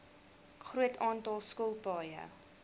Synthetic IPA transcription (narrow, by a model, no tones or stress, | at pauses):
χruətɑːntɑlˠskuəlˠpɑːjə̰